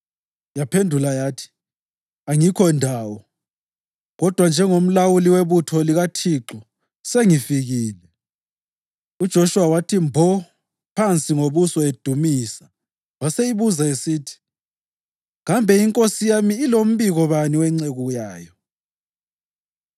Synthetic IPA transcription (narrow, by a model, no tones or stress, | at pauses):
japʰendʱulajaːtʰi̥ | aŋikʰɔndʱaːwɔ | ɣɔd̥ʱwand͡ʒʱɛŋom̩lawuliweβutʰɔliɣatʰiǁɔ | seŋifiɣiːlɛ | ud̥ʒ̥ʱoʃuwawatʰimbʱɔ | pʰant͡sʼiŋoβusɔed̥ʱumisḁ | waseiβuzaesiːtʰi̥ | ŋambʱɛiŋkʼosijamiːlom̩βiɣɔβaniwɛŋ͡ǀeɣuɣujaːjɔ